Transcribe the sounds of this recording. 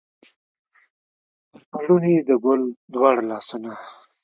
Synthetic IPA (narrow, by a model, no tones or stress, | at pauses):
aɽunid̪əɡʊld̪wɑɽalɑsuna